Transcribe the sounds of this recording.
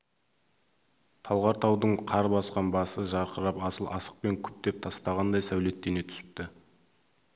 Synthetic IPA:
t̪ʰɑlˠʁɑɾt̪ʰɑwd̪əɴqʰɑɾbɑsqɑnbɑsəʒɑɾqəɾɑpɑsəlˠʔɑsə̥q̚pe̞ŋkʲʰʏ̥p̚t̪e̞p̚t̪ʰɑst̪ɑʁɑnd̪ɑjsæwle̞t̪ːene̞t̪ʰʏ̥sɪ̥p̚t̪ɪ

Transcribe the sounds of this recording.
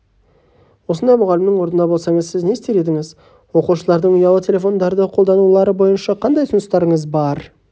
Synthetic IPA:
wo̞sənd̪ɑjmʊʁɑlɪmnɪŋwo̞ɾnənɑbolˠsɑŋəzsɪzne̞st̪e̞ɾe̞d̪ɪŋɪz | wo̞quʃəlˠɑɾd̪əɴʊjɑlˠət̪ʲʰe̞lʲe̞fo̞nd̪ɑɾd̪əqʰo̞lˠd̪ɑnulˠɑɾəbo̞jənʃɑqʰɑnd̪ɑjt̪ʰʊnəst̪ɑɾəɴəzbɑɾ

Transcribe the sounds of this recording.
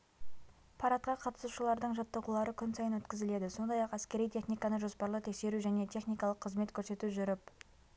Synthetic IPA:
pʰɑɾɑt̪̚qɑqʰɑt̪ə̥suʃəlˠɑɾd̪əɴʒɑt̪ːəʁulˠɑɾəkʲʰʏnsɑjənwɵt̪kʲɪzɪle̞d̪ɪso̞nd̪ɑjɑqæskʲe̞ɾijt̪ʲʰe̞χnijkɑnəʒo̞spɑɾlˠət̪ʰe̞kse̞ɾuʒæne̞t̪ʰe̞χnijkɑlˠəqʰːəzme̞t̪kʲʰɵɾse̞t̪uʒʏɾɪp

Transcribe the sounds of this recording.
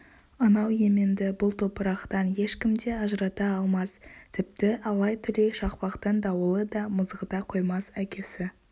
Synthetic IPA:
ɑnɑwje̞mɪnd̪ɪbʊlˠt̪ʰopəɾɑqt̪ɑnje̞ʃkʲɪmd̪e̞ɑʒəɾɑt̪ɑːlˠmɑst̪ʰɪp̚t̪ɪʔɑlˠɑjt̪ʰʏle̞jʃɑqpɑqt̪ənd̪ɑwəlˠəd̪ɑməzʁəd̪ɑqʰo̞jmɑsækʲe̞sɪ

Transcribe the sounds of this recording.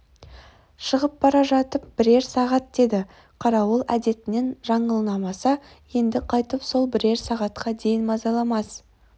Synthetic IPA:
ʃəʁəp̚bɑɾɑʒɑt̪əp̚b̥ɪɾe̞ɾsɑʁɑt̪̚d̪e̞d̪ɪ | qʰɑɾɑwəlˠæd̪e̞t̪ɪne̞nʒɑɴəlˠənɑmɑsɑ | je̞nd̪ɪqʰɑjt̪əpso̞lˠbɪɾe̞ɾsɑʁɑt̪qʰɑd̪e̞jɪnmɑzɑlˠɑmɑs

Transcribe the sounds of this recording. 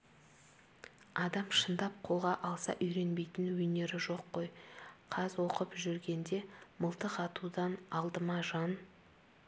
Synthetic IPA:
ɑd̪ɑmʃənd̪ɑp̚qʰo̞lˠʁɑʔɑlˠsɑ̰ʔʏjɾe̞nbe̞jt̪ɪnwɵne̞ɾɪʒo̞qːo̞jqʰɑzwo̞qəpʒʏɾɡʲe̞nd̪e̞məlˠt̪əqɑt̪ud̪ɑnɑlˠd̪əmɑʒɑn

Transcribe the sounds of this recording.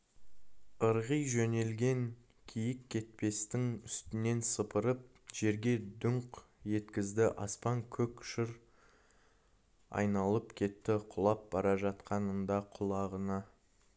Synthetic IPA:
əɾʁəjʒɵne̞lɡʲe̞ŋ | kʲʰijɪkʲʰːe̞t̪̚pe̞st̪ɪŋʏst̪ɪne̞nsəpəɾəp̚ | ʒ̥e̞ɾɡʲe̞d̪ʊɴq | je̞t̪kʲɪzd̪ɪʔɑspɑŋkʲʰɵkʲʃɪɾ | ɑ̰jnɑlˠəpkʲʰe̞t̪ːɪqʰʊlˠɑp̚bɑɾɑʒɑt̪qɑnəɴd̪ɑqʰʊlˠɑʁənɑ

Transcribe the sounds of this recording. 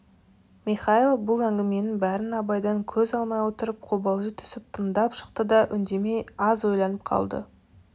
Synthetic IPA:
miχɑilˠbʊlˠæŋɡʲɪme̞nɪbæɾɪnɑbɑjd̪ɑŋkʲʰɵzɑlˠmɑjwot̪əɾəp̚qʰobɑlˠʒət̪ʰʏ̥sɪp̚t̪ʰənd̪ɑpʃə̥qt̪əd̪ɑʔʏnd̪e̞me̞jɑzwo̞jlˠɑnəp̚qʰɑ̰lˠd̪ə̰

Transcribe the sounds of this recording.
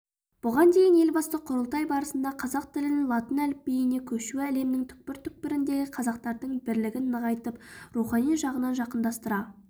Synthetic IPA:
b̥ʊʁɑnd̪ejɪne̞lbɑst̪əqʰʊɾəlˠt̪ɑjbɑɾəsənd̪ɑqʰɑzɑq̚t̪ɪlɪnlˠɑt̪ənælɪp̚bejɪne̞kʲʰɵʃuæle̞mnɪŋt̪ʰʏ̥k̚pɪɾt̪ʰʏk̚pɪɾɪnd̪e̞ɡʲɪqʰɑzɑq̚t̪ɑɾd̪əɴbɪɾlɪɡʲɪnːəʁɑjt̪əpɾuχɑnijʒɑʁənɑnʒɑqənd̪ɑst̪əɾɑ

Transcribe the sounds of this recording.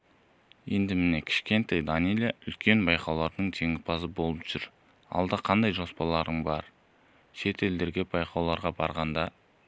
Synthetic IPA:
je̞nd̪ɪmɪne̞kʲʰɪ̥ʃkʲe̞nt̪ejd̪anijlʲeʔʏlkʲe̞nbɑjqɑwlˠɑɾd̪əɴt̪ʰe̞ŋɪpɑsəbo̞lˠəpʒ̥ʏɾ | ɑ̰lˠd̪ɑqʰɑnd̪ɑjʒo̞spɑlˠɑɾəɴbɑɾ | ʃe̞t̪ʰe̞ld̪e̞ɾɡʲe̞bɑjqɑwlˠɑɾʁɑbɑɾʁɑnd̪ɑ

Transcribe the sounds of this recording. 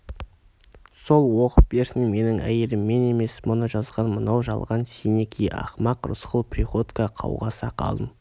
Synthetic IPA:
so̞lˠwo̞qəp̚be̞ɾsɪnme̞nɪŋæ̰jelɪmːe̞ne̞me̞smʊnəʒɑzʁɑnmənɑwʒɑ̰lˠʁɑnsinekʲʰijʔɑ̰χmɑqɾʊ̰sqəlˠpʰʲrʲiχo̞t̪kɑqʰɑ̰wʁɑsɑqʰɑ̰lˠd̪əm

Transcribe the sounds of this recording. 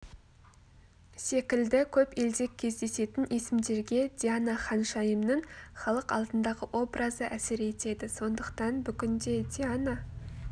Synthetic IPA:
se̞kʲɪld̪ɪkʲʰɵpe̞ld̪e̞kʲʰːe̞zd̪e̞se̞t̪ɪnʔesɪmd̪e̞ɾɡʲe̞d̪ʲianaχɑnʃɑjəmnəɴχɑlˠəqɑ̰lˠd̪ənd̪ɑʁəwʔo̞brʔəzəʔæsɪɾe̞t̪e̞d̪ɪso̞nd̪əqt̪ɑnbʏkʲɪnd̪e̞d̪ʲiana

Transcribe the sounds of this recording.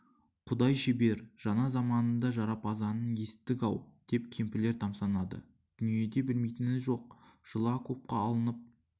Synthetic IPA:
qʰʊd̪ɑjʃebe̞ɾʒ̥ɑnɑzɑmɑnənd̪ɑʒɑɾɑpɑzɑnənje̞sɪ̥t̪ːɪkɑwd̪̥e̞p̚kʲʰe̞mpɪle̞ɾt̪ʰɑmsɑnɑd̪ə̰ | d̪̥ʏnije̞d̪e̞bɪlmejt̪ɪnɪzʒo̞q̚ʒ̥əlˠɑkʰop̚qɑːlˠənəp̚

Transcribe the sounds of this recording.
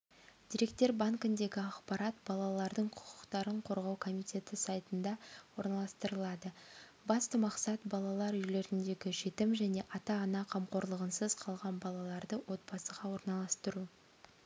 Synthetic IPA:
d̪̥iɾe̞kt̪e̞ɾbaŋkɪnd̪e̞ɡʲɪɑqpɑɾɑt̪b̥ɑlˠɑlˠɑɾd̪əɴqʰʊ̥qʰʊqt̪ɑɾəɴqʰo̞ɾʁɑwkʰo̞mijt̪ʲʰe̞t̪ɪsɑjt̪ənd̪ɑwo̞ɾnɑlˠɑst̪əɾəlˠɑd̪ə | bɑst̪əmɑqsɑt̪bɑlˠɑlˠɑɾʏjle̞ɾɪnd̪e̞ɡʲɪʒe̞t̪ɪmʒæne̞ʔɑt̪ɑɑnɑqʰɑmqo̞ɾlˠəʁənsəz̥qʰɑlˠʁɑnbɑlˠɑlˠɑɾd̪əwo̞t̪̚b̥ɑsəʁɑwo̞ɾnɑlˠɑst̪əɾu

